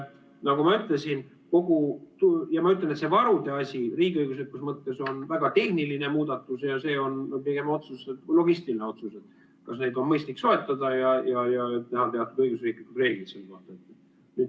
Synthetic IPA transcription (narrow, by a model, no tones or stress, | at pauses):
nɑɡumɑyt̪ˑle̞sin | ko̞ɡ̥ut̪ujɑmɑyt̪̬lenet̪se̞vɑɾud̪e̞ɑsʲiriːɡiɤjɡ̥us̬et̪̚kusmɤt̪ːe̞so̞nvæɡ̥ɑt̪e̞hniline̞muːd̪̥ɑt̪ːˑusjɑse̞ːo̞n̚piɡ̥e̞mɑo̞t̪suset̪lo̞ɡist̪iline̞o̞t̪suse̞t̪ | kɑsne̞jd̪o̞nmɤjst̪likso̞e̞t̪ːˑɑd̪ɑjɑjɑjɑet̪ːehɑlp̪e̞ɑt̪ːud̪̥ɤjɡ̥usriːklikud̪re̞ːɡ̥lit̪selːeko̞ht̪ɑet̪ː | nyd̪